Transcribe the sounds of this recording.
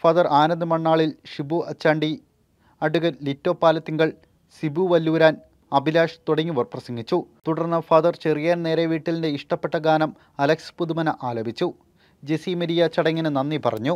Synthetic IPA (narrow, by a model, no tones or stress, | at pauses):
fɐðɐraːnɐnd̪ɨmɐɳːaːɭilʂibuɐt͡ɕːaːɳɖi | ɐɽuɣɐlitːo̞ːpːaːlɐt̪ːiŋɡɐɭ | sibuʋɐlːuːɾaːn | ɐbilaːʂt̪uɽɐŋːiʋɐrprɐsɐŋɡit͡ɕːut̪uɽɐrnːɐfɐðɐrt͡ɕerijaːnne̞ːɾeʋiːʈːilinde̞iʂʈɐpːe̞ʈːɐɡaːnɐm | ɐlɐkspud̪umɐnɐʔaːlɐbʱit͡ɕːu | d͡ʑesimeɾijɐt͡ɕɐɽɐŋːɐnɨnɐnːipɐrɐ̰ɲːu